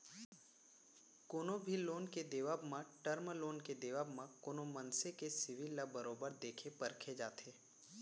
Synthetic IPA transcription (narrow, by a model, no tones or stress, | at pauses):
koːnõbʱiloːnked̪eːʋaːbmãʈəɾmloːnked̪eːʋaːbmãkoːnomənsekesɪʋilːabəɾoːbəɾd̪eːkʰepɐɾkʰed͡ʒaːt̪eː